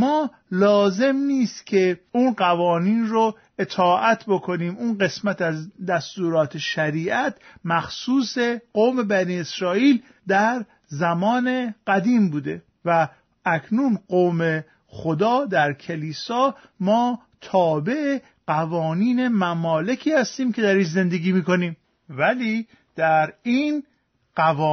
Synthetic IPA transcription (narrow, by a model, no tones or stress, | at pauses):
mɒː | lɒːze̞mniːst̪cʰe̞uːnɢævɒːniːnro | et̪ʰɒːʔæt̪ʰbo̞kʰo̞niːmunɢe̞smæt̪æzd̪æst̪uːɾɒːt̪ʰeʃæɾiːʔæt̪ʰmæxsuːse̞ɢoːme̞bæniːesɾɒːiːl | d̪æɾ | zæmɒːne̞ɢæd̪iːmbuːd̪e̞ | væ | ækʰnunɢoːme̞ | xod̪ɒːd̪æɾcʰeliːsɒː | mɒː | t̪ʰɒːbe̞ʔe | ɢ̥ævɒːniːne̞mæmɒːle̞cʰiːhæst̪iːmcʰe̞d̪æɾiːʃze̞nd̪e̞ɡiːmiːko̞niːm | væliː | d̪̥æɾiːn | ɢævɒː